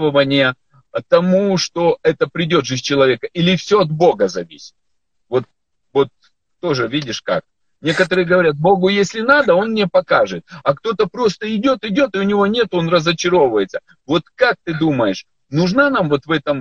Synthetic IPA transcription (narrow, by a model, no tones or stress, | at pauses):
vəvənʲɪjə | t̪ɐmuʂt̪o̞ɛt̪əpɾʲɪdʲo̞d̪ʐɨsʲt͡ɕɪlˠɐvʲe̞kəʔilʲɪfsʲoɐt̪̚bo̞ɡəzɐvʲisʲɪ̥tt̪ | vo̞t̪̚ | vo̞t̪ː | o̞ʐɨvʲidʲɪʂka̰k̚ | nʲe̞kət̪əɾɨjəɡəvɐɾʲat̪̚bo̞ɡʊjesʲlʲɪnad̪əo̞nmnʲepɐkaʐɨt̪̚ɐkt̪o̞t̪əpɾo̞st̪əɪdʲo̞t̪ɪdʲo̞t̪ɨʊnʲɪvo̞nʲe̞t̪ʊo̞nrəzət͡ɕɪɾo̞vəjɪt̪sə | vo̞t̪kak̚t̪ɨd̪uməjɪʂ | nʊʐnanamvo̞t̪vɛt̪əm